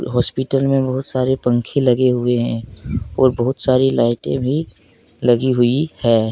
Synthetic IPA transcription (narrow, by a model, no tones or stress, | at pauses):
ɦɔːspɪʈəlmẽbɐɦʊt̪saːɾepɐ̃ŋkʰẽlɐɡeɦʊeɦɛ̃ːɔːɾbɐɦʊt̪saːɾilaːɪʈḛ̃bʱi | lɐɡiɦʊihɛː